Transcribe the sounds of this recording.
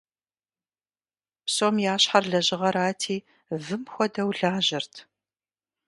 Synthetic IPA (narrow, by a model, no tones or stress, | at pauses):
psoːmjaːɕħarɮɐʑɪʁɐɾaːtʰiː | vɨmxʷɔdɐwɮaːʑɪrtʰ